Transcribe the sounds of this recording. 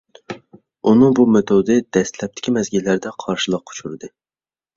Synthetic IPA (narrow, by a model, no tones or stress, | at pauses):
unɨŋbumet̪ʰod̪ɨd̪̥ɛst̪lɛp̚t̪ʰɪ̥kʲʰimɛzɡʲilːæɾd̪ɛqʰɑɾʃɨlˠəq̚ʰːo̥t͡ʃʰuɾɨd̪ɨ